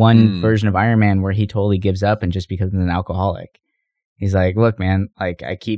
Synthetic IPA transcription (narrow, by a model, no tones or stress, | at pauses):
ʌ̃nvɜ˞ʒɨ̃nʌvaɪə̃˞nmæ̃nwə˞itʰoʊɾl̩ˠiɡɪvzʌpɨ̃n̩d͡ʒʌsb̥ɨkʰʌzɨzɨ̃nælˠkəhɑlˠɪ̰k | hizlaɪklʊk̚mæ̃nlaɪka̰ɪkʰi